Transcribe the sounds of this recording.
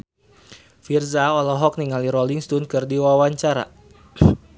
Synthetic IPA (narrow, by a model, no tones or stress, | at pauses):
firzaɔlɔɦɔk̚niŋaliɾɔliŋst̪unkɨrdiwawaɲt͡ʃaɾa̰